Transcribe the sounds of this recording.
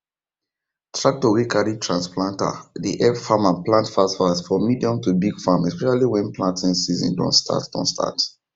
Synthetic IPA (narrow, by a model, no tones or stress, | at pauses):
tɹak̚tɔwikaɹitʰɹãnsplãnta̰diʔɛfamãnplãntfasfasfɹɔ̃mːidiɔ̃mtubiɡfamɛspɛʃaliwɛ̃nplãntʰĩnsizḭ̃ndɔ̰̃nstʰa̰td̥ɔ̰̃nstʰa̰t